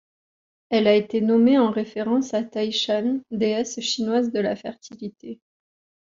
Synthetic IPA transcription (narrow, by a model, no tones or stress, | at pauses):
ɛlaet̪enɔmeɑ̃ʁefeʁɑ̃sat̪ajʃand̪eɛsʃinwazd̪əlafɛʁt̪ʰilit̪e